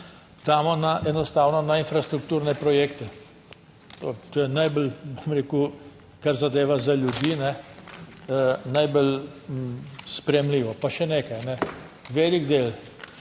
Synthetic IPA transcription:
d̪̥aːmɔnaʔɛnɔst̪aːwnɔnainfɾast̪ɾukt̪uːɾnɛpɾɔjeːkt̪ɛ | t̪ot̪oːjɛnajbəlbomɾeku | kaɾzad̪eːʋazalʲjud̪jiːnɛ | najbəl | spɾɛjɛmliːʋɔpaʃɛneːkajnɛ | ʋeːliɡd̪eːl

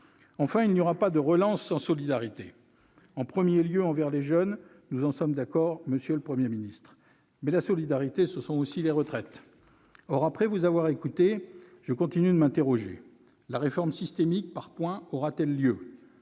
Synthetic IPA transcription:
ɑ̃fɛ̃ilnijɔʁapad̪əʁəlɑ̃sːɑ̃sɔlid̪aʁit̪e | ɑ̃pχəmjeljøɑ̃vɛʁleʒœn | nuzɑ̃sɔmd̪akɔʁməsjøləpχəmjeminist̪χ | mɛlasɔlid̪aʁit̪esəsɔ̃osileʁət̪χɛt̪ | ɔʁapχɛvuzavwaʁekut̪eʒ̥əkɔ̃t̪inyd̪əmɛ̃t̪eʁɔʒḛ | laʁefɔʁmsist̪emik̚paʁpwɛ̃ɔʁat̪ɛlːjø

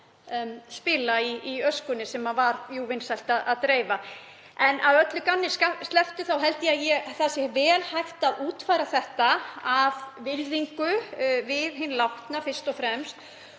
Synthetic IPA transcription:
spɪlaiiœskʏnːɪsɛmavaɾjuvɪnsajlt̪aðaðt̪ɾeːjva | ɛnawœt̪lʏkanːɪskast̪lɛft̪ʏθawɦɛlt̪ɪaðjɛθasjɛvɛːlhajht̪aðuːt̪fajɾaθɛht̪aavvɪɾðiŋkʏvɪðɦɪnlawht̪nafɪr̥st̪ɔfɾɛmst̪

